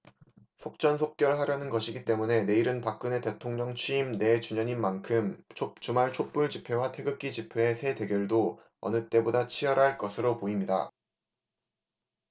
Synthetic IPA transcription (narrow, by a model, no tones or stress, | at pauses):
sʰok̚t͡ɕ͈ʌnsʰok̚k͈jʌɭɦaɾjʌnɯnɡʌɕʰiɡit͈e̞mune̞ne̞iɾɯnpak̚k͈ɯne̞te̞tʰoŋɲʌŋt͡ɕʰɥiːmne̞t͡ɕuɲʌɲinmankʰɯmt͡ɕʰot͡ɕumaɭt͡ɕʰok̚p͈uɭd͡ʑipʰe̞watʰe̞ɡɯk͈id͡ʑipʰe̞ːsʰe̞de̞ɡjʌɭdo | ʌ̰nɯt͈e̞bodat͡ɕʰijʌɾɦaɭk͈ʌsʰɯɾopoimɲida̰